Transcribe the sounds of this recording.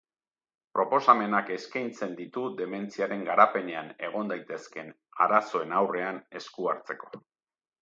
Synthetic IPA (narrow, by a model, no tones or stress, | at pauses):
pɾo̞po̞same̞nake̞skajnt͡se̞nd̪it̪uðe̞me̞nt͡siaɾe̞ŋɡaɾape̞ne̞ane̞̰ɣ̞o̞nd̪ajt̪e̞ske̞n | a̰ɾaso̞e̞nawre̞ane̞skuaɾt͡se̞ko̞